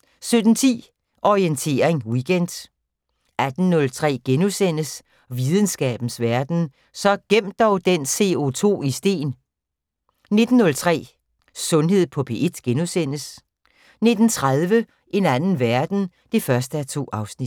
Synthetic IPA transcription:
sød̥n̩t͡sʰḭː | ʔɒient͡sʰe̝̰ːɐeŋwiɡ̥end̥ | æd̥n̩ːɔ̽lt͡sʰʁɛ̰ːɡ̥enusen̰əs | ʋið̞ˠən̩sɡ̥ɛ̰ːb̥n̩sʋæɐd̥n̩ | sɒ̽ɡ̥em̰d̥ɒʊd̥ense̝ot͡sʰo̝̰ːisd̥e̝̰ːn | ne̝d̥n̩ːɔ̽lt͡sʰʁɛ̰ː | sɔ̽nɦe̝ð̞̰ˠpʰɒ̽pʰe̝ʔe̝d̥ɡ̥enusen̰əs | ne̝d̥n̩t͡sʰʁað̞ˠʋə | ʔe̝nænn̩ʋæɐd̥n̩ | d̥e̝fɶɐsd̥əæt͡sʰo̝̰ːɑ̈ʊsnid̥

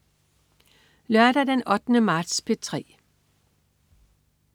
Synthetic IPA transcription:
lɶɐd̥æd̥enɒ̽d̥nəmɑ̈ːd̥spʰe̝t͡sʰʁɛ̰ː

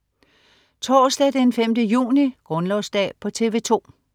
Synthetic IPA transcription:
t͡sʰɒːsd̥ɛd̥enfemd̥əjṵːniɡ̥ʁɔ̽nlɒʊsd̥ɛ̰ːpʰɒ̽t͡sʰe̝ːʋe̝ːt͡sʰo̝̰ː

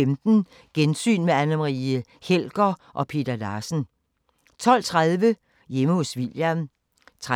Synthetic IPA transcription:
emd̥n̩ | ɡ̥ensy̰ːnmeænɐmʁi | hel̰ɡ̥ɐʔɒ̽pʰe̝̰ːd̥ɐdɑ̈ːsn̩ | t͡sʰɒ̽l̰t͡sʰʁaðˠʋə | jeməhosʋiljɐn | t͡sʰʁ

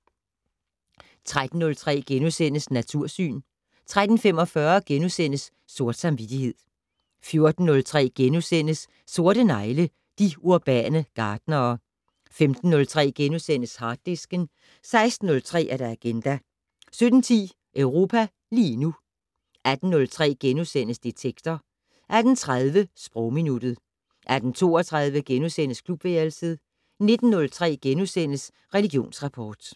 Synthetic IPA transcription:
t͡sʰʁad̥n̩ːɔ̽lt͡sʰʁɛ̰ːɡ̥enusen̰əsnæt͡sʰuɐ̰sy̰ːn | t͡sʰʁad̥n̩femɒ̽fɶɐɡ̥enusen̰əsː | o̝ɐd̥sɑ̈mʋid̥ihe̝ð̰ˠ | fjo̝ɐd̥n̩ːɔ̽lt͡sʰʁɛ̰ːɡ̥enusen̰əsː | o̝ɐɾ̥ənɑ̈ɪlə | d̥iuɐb̥ɛ̰ːnəɡ̥ɑ̈ːd̥nɐː | femd̥n̩ːɔ̽lt͡sʰʁɛ̰ːɡ̥enusen̰əshɑ̈ːd̥ːesɡ̥ən | sɑ̈ɪsd̥n̩ːɔ̽lt͡sʰʁɛ̰ːʔæɐɾ̥ɑæɡ̥end̥æ | sød̥n̩t͡sʰḭː | ʔœʊʁo̝ːpʰæ | liːnu | æd̥n̩ːɔ̽lt͡sʰʁɛ̰ːɡ̥enusen̰əsd̥et͡sʰeɡ̥d̥ɐ | ʔæd̥n̩t͡sʰʁað̞ˠʋəsb̥ʁɔʊminud̥ð̩ˠ | ʔæd̥n̩t͡sʰo̝̰ːɐt͡sʰʁɑð̞ˠʋəɡ̥enusen̰əskʰlub̥ʋeːlsiðˠ | ne̝d̥n̩ːɔ̽lt͡sʰʁɛ̰ːɡ̥enusen̰əs | ʁɛliɡ̥jo̝̰ːnsʁɑ̈pʰɒːd̥

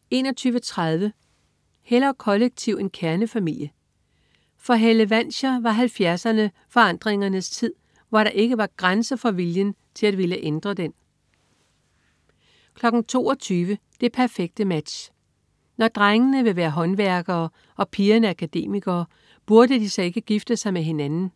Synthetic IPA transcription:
e̝̰ːnɒ̽t͡sʰyːʋət͡sʰʁað̞ˠʋə | helɐkʰɒ̽leɡ̥̚t͡sʰiʊe̝nkʰæɐnəfæmil̰jə | fɒ̽ɦeləʋæn̰ɕɐʋɑ̈ɦælfjæɐsɐnə | fɒ̽ɑ̈n̰d̥ʁeŋɐnəst͡sʰið̞̰ˠ | ʋɑ̈ɾ̥ɑ̈ʔe̝ɡ̥əʋɑ̈ɡ̥ʁansɐfɒ̽ʋiljən | t͡sʰe̝læd̥ʋeləʔend̥ʁɐd̥en | kʰlɒ̽ɡ̥n̩t͡sʰo̝̰ːɒt͡sʰyːʋəd̥e̝pʰæɐfeɡ̥̚d̥əmæd̥ɕ | nɒd̥ʁaŋənəʋe̝ʋæːɐɦɒ̽nʋæɐɡ̥ɐː | ʔɒ̽pʰiːɐnəækʰæd̥e̝̰ːmiɡ̥ɐː | b̥uɐdəd̥isɒ̽e̝ɡ̥əɡ̥ifd̥əsɑ̈ɪmeɦe̝nænn̩

